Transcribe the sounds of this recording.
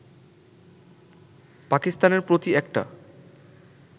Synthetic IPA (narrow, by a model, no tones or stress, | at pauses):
pakist̪aneɾpɾot̪iɛk̚ʈa̰